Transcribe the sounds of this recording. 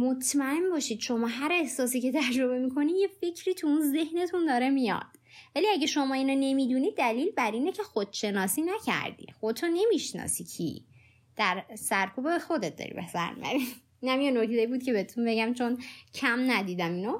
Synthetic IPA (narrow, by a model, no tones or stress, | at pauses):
mot̪ʰmæe̞mbɒːʃid̪̥ʃo̞mɒːɦæɾe̞hsɒːsiːce̞t̪ʰæd͡ʒɾo̞be̞mikʰo̞nije̞fe̞cʰɾiːt̪ʰuunze̞hne̞t̪ʰund̪ɒːɾemijɒ̰d̪̥ | væliæɟeʃo̞mɒːiːnone̞mid̪unid̪̚ːæliːlbæɾiːnecʰe̞xod̪̥ʃe̞nɒːsiːnæcʰæ̰ɾd̪ḭxod̪t̪ʰone̞miʃnɒ̰ːsicʰḭ | d̪̥æɾsæɾkʰuːbebexo̞d̪et̪̚d̪ɒ̰ːɾḭbesæ̰ɾmḭæ̰ni | inæmjenokʰzeibuːd̪̚cʰe̞beet̪ʰunbe̞ɟæmt͡ʃʰo̞ncʰæmnæd̪iːd̪æmino